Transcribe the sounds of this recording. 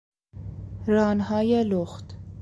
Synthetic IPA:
ɾɑnhɑjɛlɔχt̪

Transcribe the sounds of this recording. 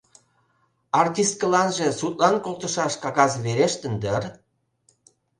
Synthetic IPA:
ɑrt̪ʲiskəlɑnʒĕsut̪lɑnkolt̪ə̆ʃɑʃkɑɣɑzβeɾeʃt̪ənd̪ər

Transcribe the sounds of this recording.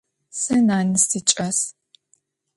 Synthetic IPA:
sɐnaːnɨstit͡ʃʼɐs

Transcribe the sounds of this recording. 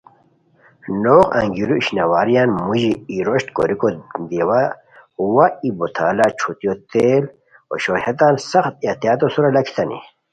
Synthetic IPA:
noqɐ̰ŋɡiɾuiɕnɐwaːɾijaːnmuʑiːɾoɕt̪ko̰ɾikod̪iwa | uwaibot̪ʰaːlat͡ɕʰut̪ijot̪eːl | o̰ɕoːhet̪aːnsɐxt̪̚et̪ijaːt̪osuɾalɐkʰi̥t̪ɐnḭ

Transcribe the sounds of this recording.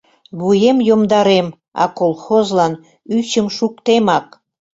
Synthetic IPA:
βujemjomd̪ɑɾem | ɑ̰kolxozlɑn | yt͡ɕəmʃukt̪emɑk

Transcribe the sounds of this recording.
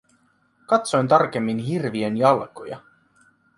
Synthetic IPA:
kɑt̪so̞jnt̪ɑrk̟e̞mːinɦirʋienjɑlkojɑ̰

